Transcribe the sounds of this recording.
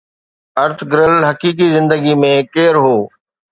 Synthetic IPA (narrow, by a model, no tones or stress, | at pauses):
ɐɾt̪ʰɡɪɾəlɦɐkiːk̬izɪ̃nd̪əɡimẽkeːɾɦoː